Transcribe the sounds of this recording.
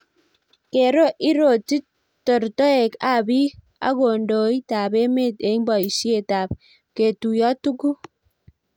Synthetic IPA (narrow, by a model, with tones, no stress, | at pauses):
ke˨ɾo˦ʔi˦ɾo˨ti˦ | tɔ˨ɾto˦e˨ka˨bi˦ | a̰˦ɡo˨ndo˨i˦ta˨be˦me˦te˨i˦mbɔ˨i˨ʃje˦˨ta˨p̚ | ke˨tu˨jɔ˦tu˦ku˦